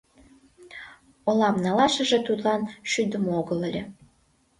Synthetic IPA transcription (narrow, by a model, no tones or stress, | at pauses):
olɑmnɑlɑʃə̆ʒĕt̪ud̪lɑnʃyd̪əmoɣəlelʲe